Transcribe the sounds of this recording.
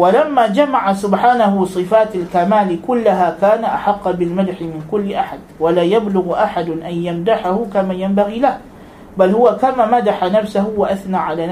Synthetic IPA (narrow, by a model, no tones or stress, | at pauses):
walamːaːd͡ʒamaʕasʊbħaːnaɦʊsˤɨfaːt̪alkamaːlkʊlːaɦakaːnaʔaħɑqːbɪlmad̪ħɪmɪnkʊlːɪʔaħad̪̚walaːjablʊɣʔaħad̪ʔanjamd̪aħahʊkamaːjambaɣiːlah | balhʊwakamaːmad̪aħanafsahʊwaʔaθnaːʕalaːn